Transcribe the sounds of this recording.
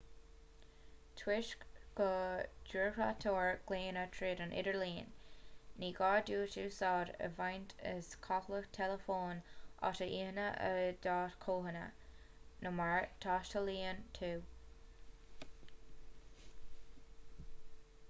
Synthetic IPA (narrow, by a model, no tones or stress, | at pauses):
tʰwɪʃkɡ̥əd͡ʒuɹkɹa̰tʰoːɹɡ̥leːnətʰɹeːɾənʔɪ̰ɾəɹliːnː | iːɡɑːduːtuːsɑːɾə̰vajntʰə̰skʰɑkləxtʰɛləfoːnʔɑ̰təʔihənəʔə̰d̪ɑːtkʰoːɦənə̰ | nʊmaɹtʰɑːʃtəliːəntʰuː